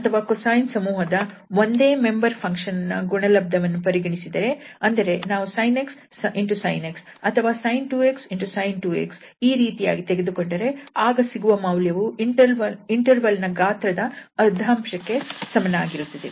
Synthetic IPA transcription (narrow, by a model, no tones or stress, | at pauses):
ɐt̪ʰɐʋaːkosaːjnsɐmuːɦɐd̪ɐʋo̞nd̪e̞ːme̞mbɐɾpʰɐŋkʂɐnɐnːɐɡuɳɐlɐb̚d̪ɐʋɐnːupɐɾiɡɐɳisid̪ɐɾe̞ɐnd̪ɐɾe̞naːʋusɐjneks | iɳʈusɐ̰jneksɐt̪ʰɐʋaːsɐjnʈuːeksiɳʈusɐjnʈuːḛks | iːɾiːt̪ija̰ːɡit̪eɡe̞d̪uko̞ɳɖɐɾe̞aːɡɐsiɡuʋɐmɐwljɐʋuiɳʈɐʋɐiɳʈɐɾʋɐlnɐɡaːt̪ɾɐd̪ɐɐd̪ʱːaːmʂɐkːe̞sɐmɐnɐaːɡiɾut̪ːɐd̪ḛ